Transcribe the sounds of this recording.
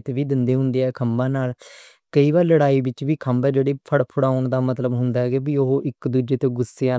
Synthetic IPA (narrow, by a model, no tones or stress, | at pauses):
t̪eʋiːd̪ɪnd̪eːɦʊ̃nd̪eːɛːkʰəmbãːnaːl | kəiːbaːɾləɽaːiːbɪt͡ʃʋiːkʰəmbɛːd͡ʒeːɽeːpʰəɽpʰʊɽaːʊɳd̪aːmət̪ləbɦʊnd̪aːɦɛːɡeːbiːoɦoːʔɪkd̪uːd͡ʒeːt̪eɡʊsːeãː